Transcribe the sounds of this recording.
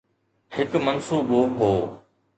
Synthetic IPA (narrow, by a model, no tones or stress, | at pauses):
hɪkmɐnsuːboːɦoː